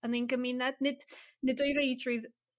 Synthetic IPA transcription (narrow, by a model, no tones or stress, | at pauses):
əninɡəmɪnɛdnɪd̥nɪdɔjɾejdrʊð